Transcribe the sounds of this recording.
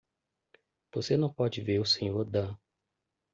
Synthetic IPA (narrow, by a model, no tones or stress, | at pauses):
v̥osenɐ̃w̃pɔd͡ʒɪveɾusẽɲoɾd̪ɐ̃